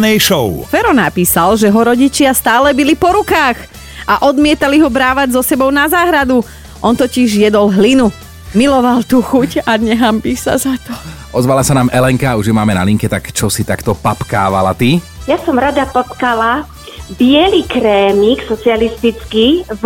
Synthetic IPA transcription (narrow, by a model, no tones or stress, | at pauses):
nɛjʃɔʊfɛɾɔnapiːsalʒɛɦɔɾɔɟit͡ʃɪast̪aːlɛbilipɔɾukaːx | ʔaʔɔd̪mɪɛt̪aliɦɔbɾaːʋaɟzɔsɛbɔʊnazaːɦɾad̪u | ʔɔnt̪ɔciʒjɛd̪ɔlɦlinu | milɔʋalt̪uːxucaɲɛɦambisa̰zat̪ɔ̥ʔɔzʋalasanaːmʔɛlɛŋkauʒjɛmaːmɛna̰liŋkɛt̪akt͡ʃɔsit̪akt̪ɔpapkaːʋa̰la̰t̪i | jasɔmɾad̪apɔt̪kala | bɪɛlikɾɛːmiksɔt͡sialist̪it͡ski